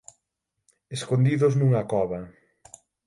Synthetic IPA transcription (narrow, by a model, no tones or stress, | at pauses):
eskond̪iðʊznuŋɐkɔβɐ